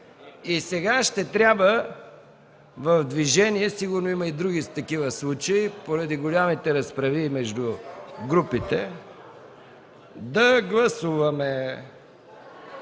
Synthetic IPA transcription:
isɛɡaʃt̪ɛt̪ɾʲabvə | vɐvd̪viʒɛniɛsiɡʊɾnoimɐid̪ɾuɡit̪ɐkivəslˠut͡ʃɐipoɾɐd̪iɡolʲamit̪ɛɾɐspɾɐvimɛʒd̪ʊɡɾupit̪ɛ | d̪ɐɡlˠɐsuvɐmɛ

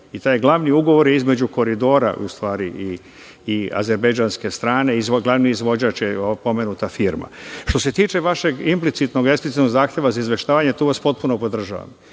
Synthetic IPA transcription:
it̪aːjɡlˠaʋniuɡo̞ʋo̞ɾjizme̞d͡ʑuko̞ɾid̪o̞ːɾa̰ʔṵst̪ʋaːɾiʔiː | a̰ze̞ɾbajd͡ʒaːnske̞st̪ɾaːne̞izɡlˠaʋniizʋo̞d͡ʑaːt͡ʃjeopo̞me̞nut̪afiɾma̰ʃt̪o̞se̞t̪iːt͡ʃe̞ʋaʃe̞ɡimplit̪sit̪no̞ɡ̪esp̪it̪it̪noɡzaːxt̪je̞ʋazaizʋe̞ʃt̪aːʋaɲe̞t̪uːʋaspo̞t̪̚punopo̞d̪r̩ʒa̰ːʋa̰m

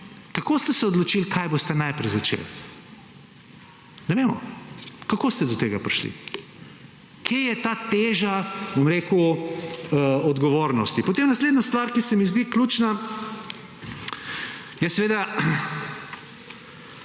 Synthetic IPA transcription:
kakoːst̪ɛsɛɔd̪lɔt͡ʃilkʰajbost̪ɛnajpɾɛjzat͡ʃḛl | nɛʋeːmɔ̰kakost̪ɛd̪ɔt̪eːɡapɾiʃlḭ | kʰejɛt̪aːt̪eːʒabomɾeːku | əɔd̪ɡɔʋoːɾnɔst̪ipot̪eːmnasleːd̪nast̪ʋaːɾkisɛmizd̪ikluːt͡ʃna | jɛsɛʋeːd̪a

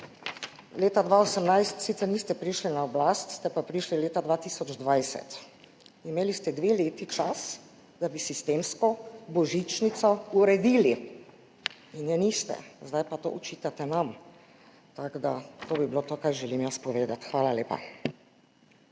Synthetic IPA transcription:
leːt̪ad̪ʋaosəmnajst̪sit̪sɛɾnist̪ɛpɾiʃlinaɔblaːst̪st̪ɛpapɾiʃlileːt̪ad̪ʋaːt̪iːsɔd͡ʒd̪ʋajsɛ̰t̪ | imeːlist̪ɛd̪ʋeːleːt̪it͡ʃas | d̪abisist̪eːmskɔbɔʒit͡ʃnit̪sɔuɾɛd̪iːli | injɛnist̪ɛ̰zd̪ajpat̪o̰ːʔɔt͡ʃit̪at̪ɛnam | t̪aɡd̪at̪oːbibilot̪oːkajʒɛlimjaspɔʋeːd̪at̪xʋaːlaleːpa̰

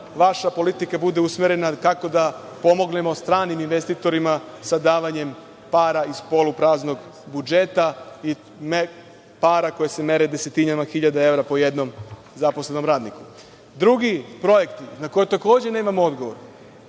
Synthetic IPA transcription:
ʋaʃapo̞lit̪ikabud̪e̞usmeɾe̞nakako̞d̪apo̞mo̞ɡne̞mo̞st̪ɾaːniminʋe̞st̪it̪o̞ɾimasad̪aːʋaɲe̞m | paːɾaispo̞lupɾaːzno̞ɡ | bud͡ʒe̞t̪ai | me | paːɾako̞jeseme̞ɾed̪e̞se̞t̪inamaxiʎad̪ae̞ʋɾapo̞je̞d̪no̞m | zapo̞sle̞no̞mɾaːd̪niku̥ | d̪ɾuɡipɾo̞je̞kt̪inako̞jet̪ako̞ːd͡ʑe̞ne̞ːmamood̪ɡo̞ʋo̞̰ɾ

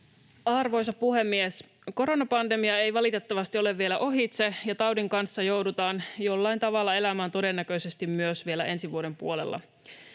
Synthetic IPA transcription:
ɑrʋo̞jsɑpuhe̞mːies | ko̞ɾo̞nɑpɑnde̞miɑe̞jʋɑlit̪e̞t̪ːæʋɑst̪io̞le̞vːie̞læʔo̞ɦit̪sejɑt̪ɑwdiŋkɑnsːɑjo̞wdut̪ɑːnjo̞lːɑint̪ɑʋɑlːɑe̞læmæːnt̪o̞de̞nːækø̞jse̞st̪immyøsʋie̞læʔe̞nsiʋuode̞mpuole̞̰lːʔɑ̰

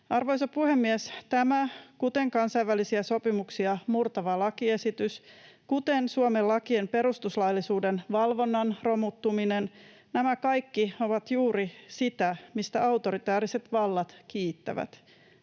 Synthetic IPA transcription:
ɑrʋojsɑpuhemːiest̪æmækut̪e̞ŋkɑnsɑjʋːælisiæso̞pimuksiɑmurt̪ɑʋɑlɑkie̞sit̪ys | kut̪e̞nsuomelːɑkiempe̞ɾust̪uslɑjlːisuːdenʋɑlʋo̞nːɑnro̞mut̪ːuminen | næmækɑjkːio̞ʋɑt̪juːɾisit̪æmist̪æɑwt̪o̞ɾit̪æːɾiset̪ʋɑlːɑt̪kiːt̪ːæ̰ʋæ̰t̪

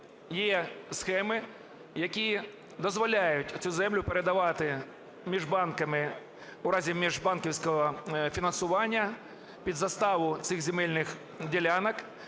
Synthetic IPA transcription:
jɛsxɛmɪ | jɐkʲi | d̪ɔzʋɔlʲajʊtʲt͡sʲuzɛmlʲʊpeɾed̪ɐʋɑt̪ɪ | mʲiʒbɑnkɐmɪ | uɾɑzʲimʲiʒbɑnkʲiwsʲkɔɦɔfʲinɐnsʊʋɑnʲːɐ | pʲid̪zɐst̪ɑʋʊt̪sɪɣzʲemɛlʲnɪx | dʲelʲanɐk

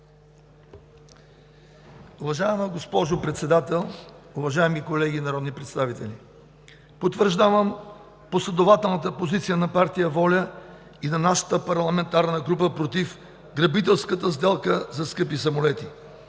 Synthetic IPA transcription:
ʊvɐʒaɛməɡospɔʒopɾɛt̪sɛd̪at̪ɛlˠʊvɐʒaɛmikolɛɡinɐɾɔd̪nipɾɛt̪st̪avit̪ɛlʲi | pot̪vəɾʒd̪avəm | poslʲɛd̪ovat̪ɛlˠnət̪əpozit̪sijənɐpaɾt̪ijəvɔlʲə | inɐnaʃə̥t̪əpɐɾlˠɐmɛnt̪aɾnəɡɾupəpɾot̪if | ɡɾɐbit̪̬ɛlˠskət̪əzd̪ɛlˠkəzɐskɤpisɐmolɛt̪i

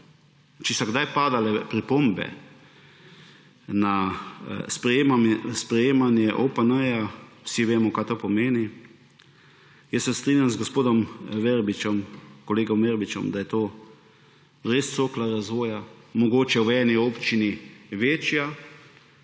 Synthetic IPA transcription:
t͡ʃɛsɐɡd̪ajpaːd̪alɛpɾipoːmbɛ̰ | na | spɾɛemaspɾɛjeːmanjɛʔopənəjawsiʋeːmɔkaːt̪oːpɔmeːni | jɛsːɛst̪ɾiːnʲjamzɡospoːd̪ɔmʋɛɾbit͡ʃɔmkɔleːɡɔmʋɛɾbit͡ʃɔ̰md̪ajɛt̪oː | ɾeːst̪soːklaɾazʋoːjamɔɡoːt͡ʃɛwɛːniɔːpt͡ʃiniʋeːt͡ʃja

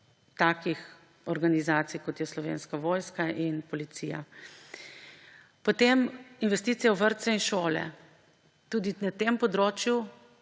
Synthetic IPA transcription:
t̪aːkix | ɔɾɡanizaːt̪sijkɔt̪jɛslɔʋḛːnskaʋoːjskaʔinpɔlit̪sija̰ | pɔt̪eminʋɛst̪iːt̪sijɛwʋəɾt̪sɛinʃoːlɛ̰ | t̪uːd̪inat̪empɔd̪ɾoːt͡ʃju

